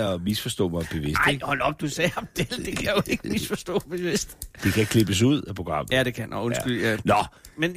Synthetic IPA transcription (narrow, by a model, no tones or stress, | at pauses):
ɒmisfɒsd̥ɔ̰̽ːmɑ̈b̥e̝ʋe̝snɑd̰hɒ̽l̰ɒ̽b̥̚d̥usɛːɑb̚d̥eld̥e̝kʰæjo̝e̝ɡ̥əmisfɒsd̥ɔ̰̽ːb̥e̝ʋe̝sd̥d̥e̝kʰæeɡ̥̚kʰle̝b̥əs̬uð̞̰ˠæpʰʁo̝ɡ̥ʁɑ̈m̰ð̩æd̥e̝kʰæn̰onsɡ̥ylænɒmen